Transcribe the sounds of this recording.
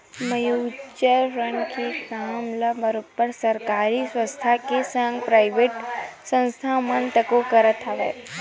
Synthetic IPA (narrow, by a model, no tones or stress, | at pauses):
məjuːʃəɾɾənkekamlabəɾopːəɾsɐɾkaːɾiswə̃st̪ʰakesə̃ŋɡpɾaːɪʋeːʈsə̃nst̪ʰamənt̪əkokɐɾət̪ʰaʋḛ